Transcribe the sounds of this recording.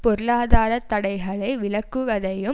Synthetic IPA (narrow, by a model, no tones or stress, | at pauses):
pɔɾɯɭaːðaːɾɐt̪ːɐɽɐɪɣɐɭɐɪʋɪɭɐkːɯʋɐðɐjɯ